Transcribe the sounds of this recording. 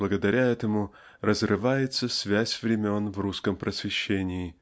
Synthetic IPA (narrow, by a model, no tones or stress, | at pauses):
lˠəɡəd̪ɐɾʲʔaɛt̪əmʊ | rəzrɨvajɪt̪səsvʲæsʲvɾʲɪmʲo̞nvruskəmpɾʔəsvʲɪɕːenʲɪː